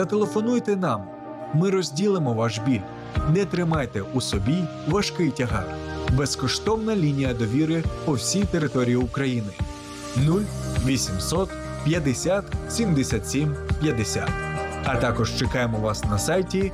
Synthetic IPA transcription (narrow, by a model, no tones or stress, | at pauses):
t̪ɐt̪elˠefɔnujt̪ɛnɑm | mɪɾɔzʲdʲilˠɪmɔʋɑʃbʲilʲ | nɛt̪ɾɪmɑjt̪ɛusɔbʲijʋɐʃkɪjtʲɐɦɑbeskɔʃt̪ɔwnɐlʲinʲijɐd̪ɔʋʲiɾɪpɔwsʲijt̪eɾɪt̪ɔɾʲijiʊkɾɐjinɪ | nulʲʋʲisʲimsɔt̪ | pʲjɐd̪esʲat̪sʲimd̪esʲat̪ʲsʲimpʲjɐd̪esʲa̰t̪ɐt̪ɑkɔʃt͡ʃekɑjemɔʋɑsnɐsɑjtʲi